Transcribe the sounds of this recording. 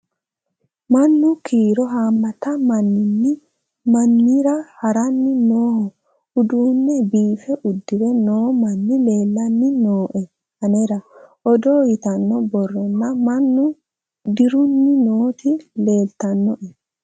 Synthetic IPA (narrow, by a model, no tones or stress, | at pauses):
mɐnːʊkʰiːɾɔɦaːmːɐt̪ɐmɐnːɪnːɪ | mɐnːɪɾɐhɐɾɐnːɪnoːhɔ | ʊd̪uːnːɛbiːfɛʔʊd̪ːɪwɛnoːmɐnːɪle̞ːlːɐnːɪnoːʔɛ | ɐnɛɾɐɔd̪oːjɪt̪ɐnːɔbɔrːɔnːɐmɐnːʊ | d̪ɪɾʊnːɪnoːt̪ɪle̞ːlt̪ɐnːɔʔɛ